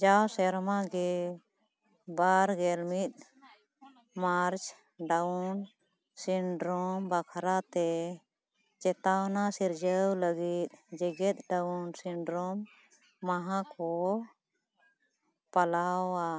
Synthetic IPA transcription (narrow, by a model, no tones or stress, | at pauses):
d͡ʒawsɛɾmaɡɛ | baɾɡɛlmit̪̚ | maɾt͡ʃ | ɖawn | siɳɖɾɔmbakʰɾat̪ɛ | t͡ʃɛt̪awnasiɾd͡ʒəwləɡit̪̚ˀd͡ʒɛɡɛt̪̚ˀɖaunsiɳɖɾɔmː | aɦakʰɔ | palawa